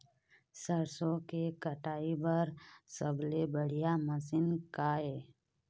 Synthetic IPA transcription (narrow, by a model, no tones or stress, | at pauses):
səɾsõkekəʈaːibəɾsəblebəɽ̤ijaməsɪnkaːeː